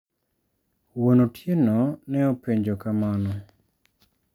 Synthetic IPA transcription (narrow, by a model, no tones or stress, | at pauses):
wonotʰjenɔnɛopeɲd͡ʒokamanɔ